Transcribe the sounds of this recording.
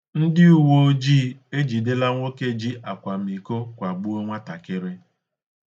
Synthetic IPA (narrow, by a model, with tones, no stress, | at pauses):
n̩˦dɪ˦u˨wo˦d͡ʒiː˦e˦d͡ʒi˨dɪ˦la˦ŋʷo˦ke˦d͡ʒi˦ʔa˨kʷa˨m̩i˨ko˦kʷa˨ɡ͡bʊ˦o˦ŋʷa˦ta˨kɪ˦ɾɪ˦